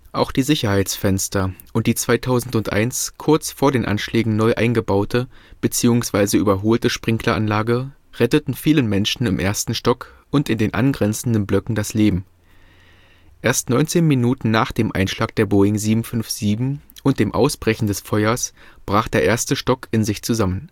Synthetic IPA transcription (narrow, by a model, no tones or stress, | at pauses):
ʔa̰ʊxd̥iːzɪçɐhaɪt͡sfɛnstɐʔʊnt̚d̥iːt͡sv̥aɪtʰaʊzn̩tʊntʔa̰ɪnskʰʊɐt͡sfoːɐdeːnʔa̰nʃlɛːɡŋ̩nɔʏʔa̰ɪnɡəbaʊtʰəb̥ət͡siːʊŋsv̥aɪzəʔyːbɐɦoːltəʃpʁ̥ɪŋklɐʔanlaːɡə | ʁɛtətn̩fiːlənmɛnʃn̩ɪmʔḛːɐstn̩ʃtɔk | ʔʊntɪndeːnʔa̰nɡʁɛnt͡sn̩dənblœkŋ̩dasleːbm̩ | ʔeːɐstnɔʏnt͡seːnminuːtn̩naːχd̥eːmʔa̰ɪnʃlaːk̚d̥eːɐboːɪŋziːbm̩fʏnfz̥iːbm̩ʔʊnt̚d̥eːmʔa̰ʊsb̥ʁɛçn̩dɛsfɔʏɐsb̥ʁaːχd̥eːɐʔeːɐstəʃtɔkʰʔɪnzɪçt͡suzamən